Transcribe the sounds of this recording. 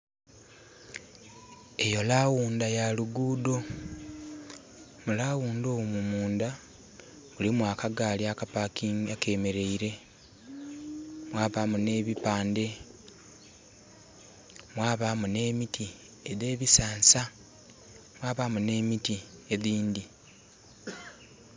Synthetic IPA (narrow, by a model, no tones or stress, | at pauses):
e̞jo̞lawuːndajaluɡuːdo̞ | mulawuːndoːmumuːnda | βulimwakaɡaːliakapakiake̞me̞ɾe̞iɾe̞ | mwaːβaːmune̞βipaːnde̞ | mwaːβamune̞ːmiti | e̞ðe̞ːβisaːnsa | mwaːβamune̞ːmitieðiːndi